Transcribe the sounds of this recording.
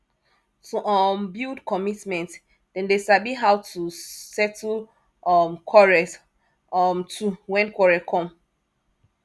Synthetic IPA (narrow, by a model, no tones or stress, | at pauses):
tʰuʔɔmbildkʰɔmitmɛ̃nt | dɛ̃ndesabiɦawtʰusɛtʰl | ɔmkʰɔɹɛs | mtʰuwɛ̃nkwɔɹɛkʰɔ̃m